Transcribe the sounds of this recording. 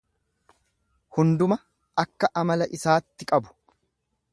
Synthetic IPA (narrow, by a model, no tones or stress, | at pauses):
hʊnd̪ʊmɐ | ʔɐkːɐʔɐmɐlɐʔɪsaːt̪ːɪkʼɐbʊ̥